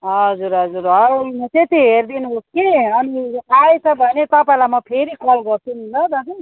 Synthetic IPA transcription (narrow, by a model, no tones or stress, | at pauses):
ɦʌd͡zuɾɦʌd͡zuɾʌumʌt̪et̪iɦerd̪inuɦoskeʌniajet͡sʰʌbʱʌnet̪ʌpaj̃lamʌpʰeɾikʌlɡʌrt͡sʰunɦunlʌd̪ʌki